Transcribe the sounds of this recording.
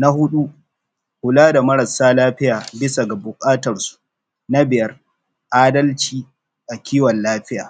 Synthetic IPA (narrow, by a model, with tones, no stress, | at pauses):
na˦ɦʊ˦ɗu˦ | hʊ˨laː˦da˨mɐ˦ɾɐ˨saː˦laː˦ɸɪ˦jaː˨bɪ˦sa˨ɡa˨bʊ˨kʼaː˦tɐ˨rsu̥˨ | na˦bɪ˨jɐ˦r | ʔaː˦dɐ˦lt͡ʃiː˨ | ʔa˨kʲiː˦wɔ˨nlaː˦ɸɪ˦ja̰ː˨